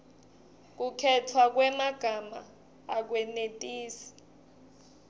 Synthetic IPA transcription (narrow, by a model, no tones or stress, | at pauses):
k̬ukʰɛtʰwak̬wɛmaɡ̥ʱama̰ | ak̬wɛnetʼiːsi̥